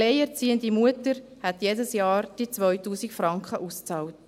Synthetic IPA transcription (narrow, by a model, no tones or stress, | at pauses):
leɪɛɾt͡siːəndimuətəɾhɛtjeːdəsjɑːɾd̥it͡sʋœʏtuːsɪkfɾɑŋkχəʔust͡sɑːlt